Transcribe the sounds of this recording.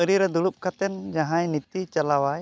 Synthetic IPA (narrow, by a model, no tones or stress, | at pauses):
əɾiɾɛd̪ulup̚kʰat̪ɛnd͡ʒaɦãjnit̪it͡ʃalawaj